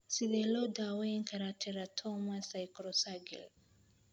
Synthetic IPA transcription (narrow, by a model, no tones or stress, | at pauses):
siðelodaweŋkʰaɾatʰɛɾatʰɔmasajkɾɔsaɡḭl